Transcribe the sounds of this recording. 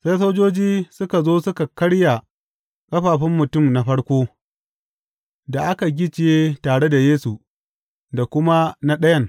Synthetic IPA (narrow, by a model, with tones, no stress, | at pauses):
sa˦jsoː˦d͡ʒoː˦d͡ʒiː˦sʊ˦ka˨zoː˦sʊ˦ka˨kɐ˦ɽja˨ | kʼɐ˦ɸaː˨ɸɪ˦mːʊ˨tʊ˦˨mna˨ɸɐ˦ɽkʷoː˦ | da˨ʔa˦ka˨ɡʲɪ˦t͡ʃɪ˨jeː˦taː˨ɽe˦da˨jeː˦su˨ | da˨kʷʊ˦ma˦na˦ɗɐ˦jɐ˦ŋ